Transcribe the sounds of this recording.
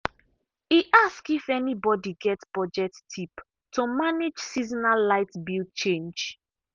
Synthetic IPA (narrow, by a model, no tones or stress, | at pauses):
iʔaskifɛnibɔdiɡɛtpɔd͡ʒɛtʰːip | tomaned͡ʒsizɔnalaɪtbilt͡ʃẽnd͡ʒ